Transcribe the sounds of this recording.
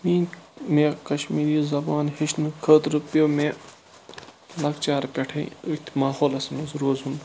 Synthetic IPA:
mĩːmẽkɐʃmiːɾiːzɐbaːnhiʃnɨkʰəːt̪ɾupjoːme | lɐkt͡ʃaːɾpʲeʈʰḛ̃ĩuk̚ʲt̪ʲʰmaːɦoːlɐsmɐzɾoːzun

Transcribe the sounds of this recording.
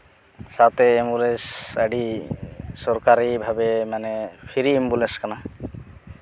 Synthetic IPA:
sat̪eːmbulesaɖi | sɔɾkaɾibʱabemanepʰiɾiːmbuleskana

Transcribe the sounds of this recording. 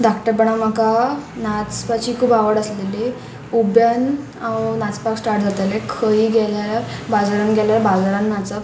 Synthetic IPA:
ɖakʈəɾpəɳ̃am̤akanat͡spat͡ɕiːkʰuːbaʋəɽəsleli | ubjan | awnat͡spaksʈaɾʈ̚d͡zat̪alekʰəiɡɛlaɾbad͡zaɾanɡɛlabad͡zaɾannat͡sa

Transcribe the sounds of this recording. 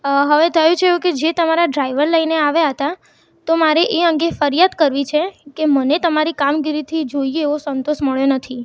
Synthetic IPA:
ɦəʋet̪ʰəjũt͡ʃʰeũked͡ʒet̪əmaɾaɖɾaiʋəɾləineaʋjaɦət̪a | t̪omaɾeʔeəŋɡefəɾijad̪kəɾʋit͡ʃʰekemənet̪əmaɾikamɡiɾit̪ʰid͡ʒoieːʋosənt̪oʃməɭjonət̪ʰi

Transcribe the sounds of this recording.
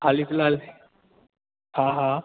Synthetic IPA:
haliflal | hãɦã

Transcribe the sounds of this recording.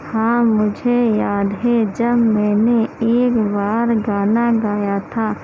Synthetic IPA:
hãːmʊd͡ʒʱejaːd̪ɦɛd͡ʒɐbmɛːneeːkbaːɾɡaːnaɡaːjat̪ʰaː

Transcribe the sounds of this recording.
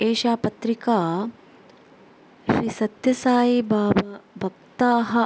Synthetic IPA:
eːʃaːpɐt̪ɾikaː | ʃɾisɐt̪jɐsaːjibaːbɐbʱɐk̚t̪aːɦɐ

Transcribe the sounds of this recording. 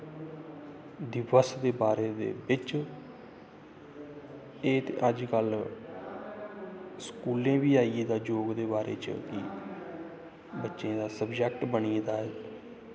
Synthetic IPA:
d̪ɪʋəsd̪eːbaːɾeːd̪ḛːbɪt͡ʃ | eːt̪ḛːʔəd͡ʒkəl | skuːlẽːʋiːaːieːd̪aːd͡ʒoːɡd̪eːbaːɾḛːt͡ʃkɪ | bətːʃẽːd̪aːsəbd͡ʒɛk̚ʈbəniːd̪aːɛː

